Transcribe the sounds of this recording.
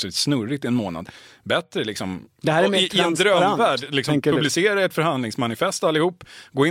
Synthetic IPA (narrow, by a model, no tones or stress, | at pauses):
sɪsnɵɾːɪt̪ɪɛnmoːna̰d̪bɛt̪ɾəlɪksɔmd̪ɛhæːɾɛmɪɛnd̪ɾœvæːɖlɪksɔŋɵblɪseːɾaɛt̪fœɾhand̪lɪŋsmanɪfɛst̪alːɪhuːpːɡoːɪ